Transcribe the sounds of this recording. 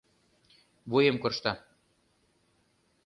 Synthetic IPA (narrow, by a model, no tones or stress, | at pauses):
βujemkŏrʃt̪ɑ